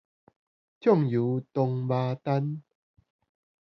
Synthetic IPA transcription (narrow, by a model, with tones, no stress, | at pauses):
t͡ɕʰjɔ˥˨ŋju˨˦t̪o˧ŋbaː˧t̪a˦n